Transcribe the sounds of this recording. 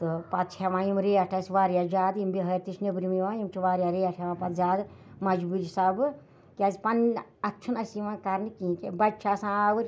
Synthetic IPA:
t̪ɨpat̪̚t͡ʃʰeʋãːjimɾeɐʈʰasʋaːɾjad͡ʒaːd̪imbiɦɐɾt̪isʰnebɾimiʋãːjimt͡ʃʰiʋaːɾjaɾeɐʈʰeʋãːpɐt̪zaːd̪mɐd͡ʒbuɾisabɨ | kʲaːzpɐnɐtːt͡ʃʰunɐsimãːkaɾnɨkĩːkebɐt͡ʃʰasãaʋɨɾʲ

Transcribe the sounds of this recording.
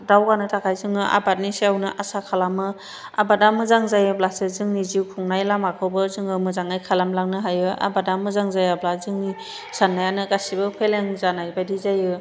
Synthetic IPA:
dawɡanɯtʰakʰajzɯŋɯʔa̰bat̚niseawnɯʔasakʰalamɯ | a̰badamɯzaŋzajɯplasezɯŋniziwkʰuŋnajlamakʰɯbɯzɯŋɯmɯzaŋajkʰalamlaŋnɯɦajɯʔa̰badamɯzaŋzajablazɯŋni | sanːajanɯɡasibɯpʰeleŋzanajbajdizajɯ

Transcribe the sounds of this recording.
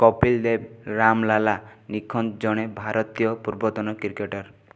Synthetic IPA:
kɔpild̪eɾamlalanikʰːɔnt̪d͡ʒɔɽ̃ebʱaɾɔt̪ijɔpuɾbɔt̪ɔnɔkiɾkeʈɔɾ

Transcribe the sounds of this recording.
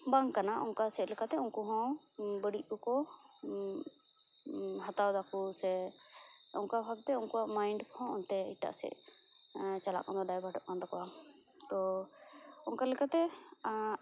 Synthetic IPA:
baŋkanaʔɔŋkasɛt̪lɛkat̪ɛɔŋkɔɦɔ̃ | bəɽiʔ̚bɔkɔ | ɦat̪awd̪akusɛ | ɔ̰ŋkabʱaɡ̚t̪ɛɔŋkɔamajɳɖkɔhɔ̃ɔnt̪ɛḭʈa̰ʔsɛ̰ʔ | t͡ʃala̰ʔkand̪ɔɖajbʱaʈɔʔ̚kand̪ɔkɔwa | t̪ɔ | ɔŋkalɛkat̪ɛ

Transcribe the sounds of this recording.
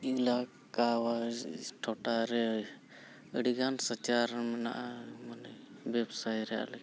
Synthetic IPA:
ila | kawaʈʰɔʈaɾɛ | əɽiɡansət͡ʃaɾmna̰ʔmanɛbɛbsajɾɛja̰lɛ

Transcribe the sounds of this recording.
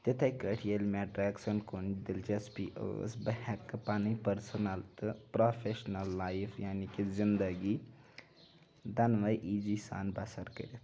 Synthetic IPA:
t̪et̪ʰekəʈʰijelmeːʈɾeːksɐnkond̪ild͡ʒespiːʔo̰sbɐhɛkːɨpaːnipəɾsɐnɐlt̪ɨpɾoːfʰeʃnɐlːaːjfʰjaːnikizind̪ɐɡi | d̪ɐnʋɐjʔiːd͡ʒisa̰ːnbɐsɐɾkə̰ɾit̪

